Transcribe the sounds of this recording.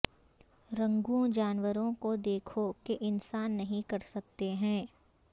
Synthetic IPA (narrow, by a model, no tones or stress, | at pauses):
ɾɐ̃ŋɡũd͡ʒaːnwəɾõkod̪eːkʰokeʔɪnsaːnːɐɦĩkɐɾsɐk̚t̪eɦɛ̃ː